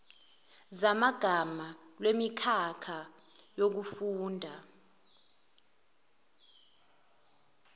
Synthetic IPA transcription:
zamaɡ̥ʱamalwemikʰakʰa | jok̬ufuːndʱa

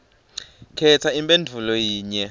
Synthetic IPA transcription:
kʰɛt͡sʰaimpʼendʱulɔjiːɲɛ

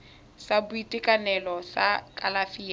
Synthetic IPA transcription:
sabʊitʼɪkʼanɛlɔsakʼalafiːa

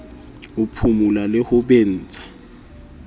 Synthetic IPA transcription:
ʊpʰumulalɪhʊben̩ːt͡sʼʰḁ

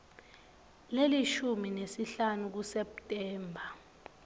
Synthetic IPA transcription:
leliʃuminesiɬanuk̬usɛptʼɛːmbʱa

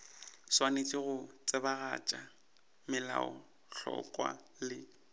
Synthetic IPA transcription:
swanet͡sʼɪɣʊt͡sʼɪbaɣat͡ʃʼa | mɪlaɔ | ɬɔ̰kʼwa̰ | lɪ

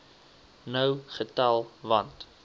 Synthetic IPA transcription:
nəwχətɐlˠvɐnt

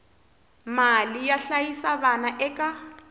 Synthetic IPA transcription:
malijaɬajisaβanaʔɛkʼa

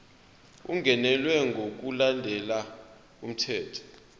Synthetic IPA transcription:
uŋɡʱɛnɛlwɛŋɡʱok̬ulandʱɛla | um̩tʰɛːtʰɔ̥

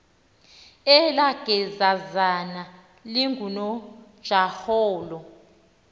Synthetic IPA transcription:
ɛlaɡ̥ʱɛzazana | liŋɡʱunɔd̥ʒ̥ʱahɔːlɔ

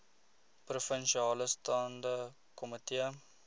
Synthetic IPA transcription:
prufənʃiɑːləstɑːndə | kɔmətiə

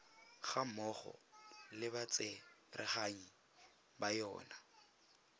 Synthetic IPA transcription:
χamɔχɔ̰lɪbat͡sʼɛrʔɪ̰χaŋ̩ | bajɔ̰ːna

